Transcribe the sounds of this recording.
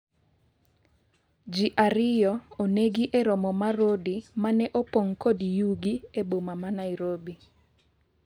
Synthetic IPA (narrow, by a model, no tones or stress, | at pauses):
d͡ʒiʔaɾɪjɔoneɡiʔeɾɔmɔmaɾodimanɛʔopoŋkodijuɡiebomamanaɪɾobi